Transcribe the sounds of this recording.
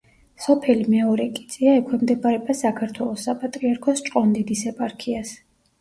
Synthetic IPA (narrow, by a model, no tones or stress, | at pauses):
sɔpʰɛlimɛɔɾɛkʼi̥t̪sʼiaɛkʰwɛmd̪ɛbaɾɛbasakʰaɾt̪ʰwɛlˠɔsːapʼat̪ʼɾiaɾkʰɔst͡ʃʼqʼɔnd̪id̪isɛpʼaɾkʰias